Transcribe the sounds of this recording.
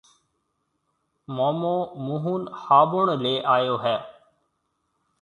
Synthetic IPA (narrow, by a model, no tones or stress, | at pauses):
moːmoːmuːɦuːnhaːbʊɳleːʔaːjoːɦɛː